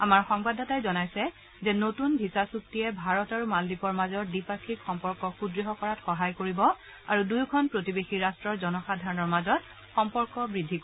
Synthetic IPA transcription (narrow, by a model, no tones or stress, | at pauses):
amaɹxɔŋbadʱɔtajzɔnajsɛ | zɛnotunbʱisasuk̚tiɛbʱaɹɔtaɹumaldipɔɹmazɔɹdipaɹkʰikxɔmpɔɹkɔxudɹiɦɔkɔɹatxɔɦajkoɹibɔ | aɹudujkʰɔnpɹotibexiɹastɹɔɹzɔnɔxadʱaɹɔnɔɹmazɔt̚ | xɔmpɔɹkɔbɹidʱːikɔ